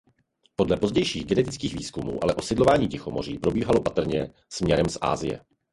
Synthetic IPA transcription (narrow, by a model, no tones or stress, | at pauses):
po̞dlɛpo̞zɟɛjʃiːɣɡɛnɛt̪ɪt͡skiːɣviːskumṵːʔalɛʔo̞sɪdlovaːɲiːcɛxo̞mo̞rḭːpɾo̞biːɦalo̞pat̪r̩ɲɛ | smɲɛɾɛmsʔa̰ːzɪ̰jɛ̰